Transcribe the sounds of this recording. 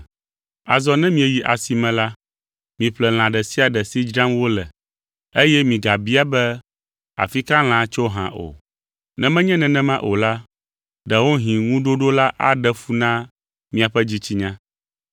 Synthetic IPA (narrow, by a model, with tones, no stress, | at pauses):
a̰˨zɔ˨nɛ̃˦mĩ˦ɛ˨ji˨ʔa˨si˨mɛ̃˨la˦ | mĩ˨ɸlɛ˨l̃ã˨ɖɛ˨si˦a˨ɖɛ˨si˦d͡ʒɾã˦mwo˦lɛ˨ | e˦jɛ˦mĩ˨ɡa˨bi˦a˦bɛ˦ | a̰˨fi˦ka˦l̃ã˨˦t͡ʃo˦ɦã̰˨ʔo̰˨ | nɛ̃˦mɛ̃˦ɲɛ̃˦nɛ̃˨nɛ̃˦mã˦ʔo˨la˦ | ɖɛ˨wo˦ɦĩ˨ŋũ˦ɖo˦ɖo˦la˦ʔa˦ɖɛ˦fu˦nã˦ | mĩ˨a˨ɸɛ˦d͡ʑi˦t͡ɕi˦ɲã˦